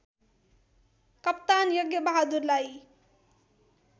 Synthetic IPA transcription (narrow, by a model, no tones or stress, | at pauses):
kʌp̚t̪anjʌɡjʌbaɦad̪uɾlaj